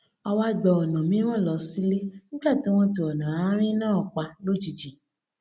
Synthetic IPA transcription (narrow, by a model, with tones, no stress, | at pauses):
ɔ˧wa˦ɡ͡bɔ˧ɔ˨nã˨mĩ˨˦w̃ɔ̃˦˨lɔ˨˧˦si˦le˦nĩ˦ɡ͡ba˦˨ti˨˦w̃ɔ̃˦t̬i˧˨ɔ˨nã˨a˨˦ɾ̃ĩ˦nãː˦˨k͡pa˧lo˦d͡ʒi˨d͡ʒĩ˨